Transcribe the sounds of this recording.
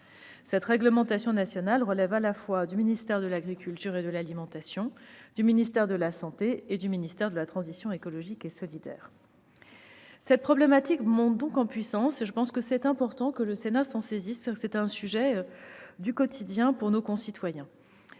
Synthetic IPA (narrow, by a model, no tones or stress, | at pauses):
sɛt̪ʁɛɡləmɑ̃t̪asjɔ̃nasjɔnalʁəlɛvalafwad̪yminist̪ɛʁd̪əlaɡʁikʲylt̪yʁed̪əlalimɑ̃t̪asjɔ̃d̪yminist̪ɛʁd̪əlasɑ̃t̪eːd̪yminist̪ɛʁd̪əlat̪χɑ̃zisjɔ̃ekɔlɔʒikesɔlid̪ɛ̰ːʁ | sɛt̪̚pχɔblɛmat̪ikmɔ̃t̪̚d̪ɔ̃kɑ̃pɥisɑ̃seʒəpɑ̃skəsɛt̪ɛ̃pɔʁt̪ɑ̃kələsenasɑ̃sezissɛt̪ɛ̃syʒɛ | d̪ykɔt̪ʰid̪jɛ̃puʁnokɔ̃sit̪wajɛ̃